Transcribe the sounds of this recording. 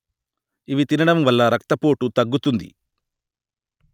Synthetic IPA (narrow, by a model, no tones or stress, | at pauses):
iʋit̪inɐɽɐmʋɐlːɐɾɐk̚t̪ɐpo̞ːʈut̪ɐɡːut̪und̪ḭ